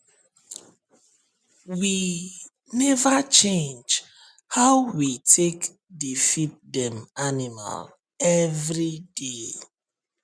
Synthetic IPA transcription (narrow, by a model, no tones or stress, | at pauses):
wi | nɛvat͡ʃẽnd͡ʒ | haʊwitʰek | difit̚dɛ̃manima̰l | ɛvɹide